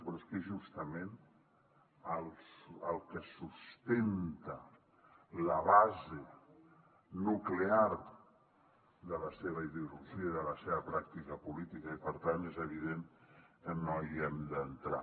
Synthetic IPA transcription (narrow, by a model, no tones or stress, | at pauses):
pɾɔeskeʒust̪əmen | əlˠsəlˠkəsust̪ent̪ə | ləβaze | nuklear | ðələseβəiðuluuziəiðələseβəpɾak̚t̪ikəpulit̪ikəipəɾt̪anezəβ̞iðeŋkənoiɛmd̪ənt̪ɾa̰